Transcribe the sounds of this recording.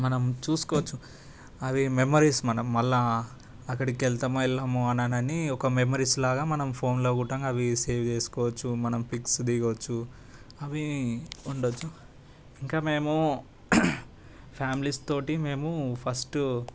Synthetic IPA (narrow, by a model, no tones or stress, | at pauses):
mɐnɐmt͡ʃuːsu̥kɔʋɐt͡ʃːu | ɐʋimemɐɾismɐnɐmːɐlːa | ɐkːɐɽikɛlt̪ɐmɛlːɐmuɐnɐnɐniɔkɐmemɐɾislaːɡaːmɐnɐmpʰo̞ːnloːɡuʈɐŋɡɐʋise̞ːʋt͡ʃe̞ːsu̥kɔːʋɐt͡ʃːumɐnɐmpiksd̪iɡɐʋɐt͡ʃːu | ɐʋiː | ɳɖot͡ʃːu | iŋkaːme̞ːmu | pʰjaːmilist̪o̞ːʈime̞ːmupʰɐsʈ